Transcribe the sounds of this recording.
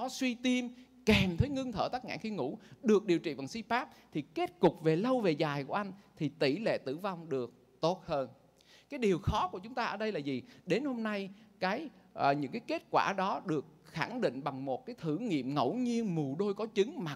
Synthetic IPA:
ɔ˨˦swi˧t̪i˧m | kɛ˨˩mt̪ʰə˨˦jŋɨ˧əŋt̪ʰəː˧˩t̪aː˦˥k̚ŋa̰ː˧˨xi˧ŋṵ˧˥ɗɨ˨˩ək̚ɗi˨˩əwt͡ɕḭ˧˨va˨˩ŋsi˧paː˦˥k̚t̪ʰi˨˩ke˦˥t̚kʊ˨˩k͡p̚ve˨˩lə˧wve˨˩zaː˨˩jku˧˩˦ʔa˧jŋ̟t̪ʰi˨˩t̪i˧˩lḛ˧˨t̪ɨ̰˧˩va˧wŋ͡mɗɨ˨˩ək̚ | t̪o˦˥t̚həː˧n | kaː˨˦jɗi˨˩əwxɔ˨˦ku˧˩ət͡ɕʊ˨˦ŋ͡mt̪aː˧ʔəː˧˩ɗə˧jlaː˨˩zi˨˩ɗe˨˦nho˧mna˧jkaː˨˦jʔɲɨ̰˧˥ŋkaː˨˦jke˦˥t̚kwaː˧˩ɗɔ˨˦ɗɨ˨˩ək̚xa˧˩ŋɗḭ̈˧˨ŋ̟ɓa˨˩ŋmo˨˩t̚kaː˨˦jt̪ʰɨ˧˩ŋḭ˧˨əmŋə˧˩wɲi˧ənmu˨˩ɗo˧jkɔ˨˦t͡ɕɨ˨˦ŋmaː˨˩

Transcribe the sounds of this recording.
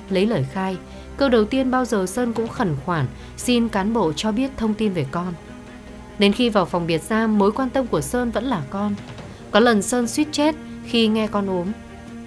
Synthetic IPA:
lə˨˦jləː˧˩jxaː˧j | kəː˧wɗə˨˩wt̪i˧ənɓaː˧wzəː˨˩səː˧nkʊ̰˧˥ŋ͡mxə˨˩nxwaː˧˩n | si˧nkaː˨˦nɓo̰˧˨t͡ɕɔ˧ɓi˦˥ət̚t̪ʰə˧wŋ͡mt̪i˧nve˨˩kɔ˧n | ɗe˨˦nxi˧vaː˨˩wfwŋ͡mvi˨˩ət̚zaː˧mːo˨˦jkwaː˧nt̪ə˧mku˧˩əsəː˧nvə̰˧˥nlaː˨˩kɔ˧n | kɔ˨˦lə˨˩nsəː˧nswi˦˥t̚t͡ɕɛ˦˥t̚xi˧ŋɛ˧kɔ˧nʔu˨˦m

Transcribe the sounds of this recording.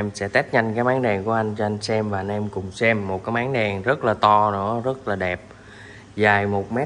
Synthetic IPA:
ɛ˧msɛ̰˧˥t̪ɛ˦˥t̚ɲa˧jŋkaː˨˦jmaː˨˦ŋɗɛ˨˩ŋku˧˩əʔa˧jŋ̟t͡ɕɔ˧ʔa˧ŋ̟sɛ˧mvaː˨˩ʔa˧nʔɛ˧mkʊ˨˩ŋ͡msɛ˧mːo˨˩t̚kaː˨˦jmaː˨˦ŋɗɛ˨˩ŋzə˦˥t̚laː˨˩t̪ɔ˧nɨ̰˧˥əzə˦˥t̚laː˨˩ɗɛ˨˩p̚ | zaː˨˩jmo˨˩t̚mɛ˦˥

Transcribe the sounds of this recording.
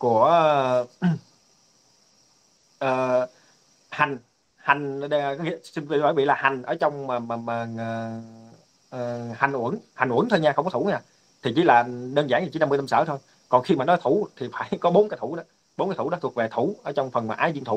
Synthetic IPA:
ku˧˩ə | ʔəː˨˩ | ha˨˩ŋ̟ | ha˨˩jŋ̟˨ɗkɔ˨˦ŋḭ˧˨sï˧ŋvəː˧˦˩vi˧˨laː˨˩ha˨˩jŋ̟ʔəː˧˩t͡ɕɔ˧wŋ͡mmː˨˩mː˨˩mː˨˩˨ | əː˨˩ha˨˩ŋ̟ʔu˧˩ənha˨˩ŋ̟ʔu˧˩ənt̪ʰo˧jɲaː˧xə˧wŋ͡mkɔ˧˦t̪ʰu˧˩˦ɲaː˧˩ | t̪ʰi˨˩t͡ɕi˧˨˦laː˨˩ɗəː˧nzaː˧˩ŋ˨˩t͡ɕi˨˦a˧mɨ˧əjna˧msəː˧˩t̪ʰo˧j | kɔ˨˩nxi˧maː˨˩nɔ˨˦jt̪ʰu˧˩˦t̪ʰi˨˩faː˧˩˦jkɔ˨˦ɓo˨˦nkaː˨˦jt̪ʰu˧˩˦ɗɔ˨˦ | ɓo˨˦kːjt̪ʰu˧˩˦ɗɔ˨˦t̪ʰu˨˩ək̚ve˨˩t̪ʰu˧˩ʔəː˧˩˦t͡ɕɔ˧wŋ͡mfə˨˩nmaː˨ʔaː˨˧jzi˧ənt̪ʰu˧˨˦

